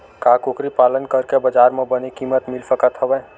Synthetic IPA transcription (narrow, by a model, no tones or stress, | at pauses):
kaːkokɾipaːlənkəɾkebəd͡ʒaːɾmẽbənekiːmət̪mɪlsəkət̪ɦəʋɛ